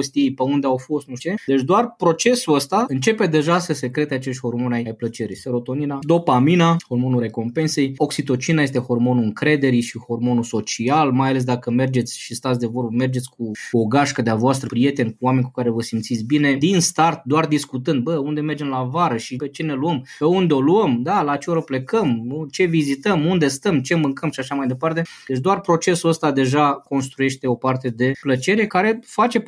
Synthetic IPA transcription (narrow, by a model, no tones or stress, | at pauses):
ost̪ijejpeund̪eawfo̞st̪nuʃteed̪e̞t͡ʃʲd̪oarpɾo̞t͡ʃe̞suəst̪aɨnt͡ʃe̞pe̞d̪e̞ʒasəse̞kɾe̞t̪eat͡ʃe̞ʃt̪ʲho̞rmo̞najajplət͡ʃe̞ɾḭjse̞ɾo̞t̪o̞ninad̪o̞paminaho̞rmo̞nuɾe̞ko̞mpe̞nse̞jo̞ksit̪o̞t͡ʃinajest̪e̞ho̞rmo̞nuɨŋkɾe̞d̪e̞ɾiʃiho̞rmo̞nuso̞t͡ʃialmajale̞s̬d̪akəme̞rd͡ʒe̞t̪sʲʃist̪at̪sʲd̪e̞vo̞rbəme̞rd͡ʒe̞t̪sʲkuoɡaʃkəd̪eavoast̪ɾəpɾije̞t̪e̞nʲkuwame̞nʲku̥kaɾe̞vəsimt̪sit̪sʲbine̞d̪inst̪art̪̚d̪oard̪iskut̪ɨnd̪̚bəund̪e̞me̞rd͡ʒe̞mlavaɾəʃipe̞t͡ʃe̞ne̞luəmpe̞und̪eo̞luəmd̪alat͡ʃeoɾople̞kəmut͡ʃe̞vizit̪əmund̪e̞st̪əmt͡ʃe̞mɨŋkəmʃiaʃamajd̪e̞part̪e̞d̪et͡ʃʲd̪oarpɾo̞t͡ʃe̞suəst̪ad̪e̞ʒako̞nst̪ɾuje̞ʃt̪e̞o̞part̪e̞d̪e̞plət͡ʃe̞ɾe̞kaɾe̞fat͡ʃe̞